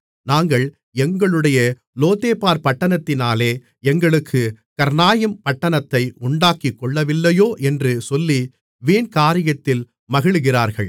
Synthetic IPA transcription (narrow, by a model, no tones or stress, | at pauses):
naːŋɡɐɭ | ɛŋɡɐɭɯɽɐjɐ | loːt̪eːpːaːɾpɐʈːɐnɐt̪ːɪnaːleː | ɛŋɡɐɭɯkʰːɯ | kɐɾnaːjɐmpɐʈːɐnɐt̪ːɐɪʊɳɖaːkɪkːɔɭːɐʋɪlːɐjoːʔɛndrɯsɔlːi | ʋeːnkaːɾɪjɐt̪ːɪl | mɐɣɪɭɯɣɪraːɾɣɐɭ